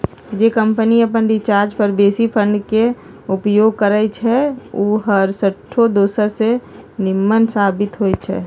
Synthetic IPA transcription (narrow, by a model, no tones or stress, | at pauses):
d͡ʒekəmpəniəpənɖit͡ʃaːɾd͡ʒpəɾbeːsipʰə̃ɳɖke | ʊpjoːɡ̚kəɾət͡ʃʰɛuːɦəɾsəʈʰːod̪oːsəɾsenɪmːənsaːbɪt̪ɦojt͡ʃʰɛ̰ː